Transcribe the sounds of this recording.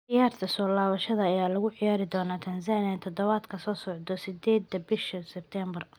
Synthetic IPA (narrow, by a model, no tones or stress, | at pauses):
ʔɪjaːrt̪ʰɐsɔːlaːβɐʃɐðɐɐjaːlɐɣʊʕɪjaːɾɪd̪ɔːnaːt̪ʰɐnsaːnɪjɐt̪ʰɔd̪ɔβaːd̪kʰɐsɔːsɔʕd̪ɔsɪd̪ɛːd̪ːɐbɪʃɐsɛb̚t̪ʰɛmbɐr